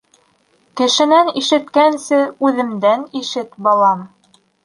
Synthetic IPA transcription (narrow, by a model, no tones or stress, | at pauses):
kɘ̆ʃɘ̆næniʃɘ̆t̪kænsɘʉðɘ̆md̪æniʃɘt̪bɑlˠɑm